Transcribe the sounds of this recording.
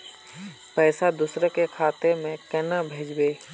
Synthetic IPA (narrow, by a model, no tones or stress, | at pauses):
pɛːsad̪ʊsɾəkekʰaːt̪emẽkɛnabʱeːd͡ʒbeː